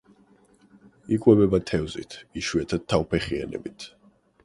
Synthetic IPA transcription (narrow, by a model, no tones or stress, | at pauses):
ikʼwɛbɛbat̪ʰɛvzḭt̪ʰiʃwɛt̪ʰad̪̚t̪ʰːavpʰɛχia̰nɛ̰bit̪ʰ